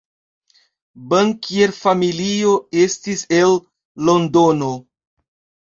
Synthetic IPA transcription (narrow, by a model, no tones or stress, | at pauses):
bəŋkieɾfamilio̞e̞stise̞lː | o̞ndono̞